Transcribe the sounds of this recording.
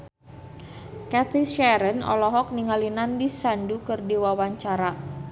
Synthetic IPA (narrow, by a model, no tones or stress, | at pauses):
kat̪iʃɛɾənɔ̰lɔɦɔk̚niŋalinandisandukɨrdiwawaɲt͡ʃaɾa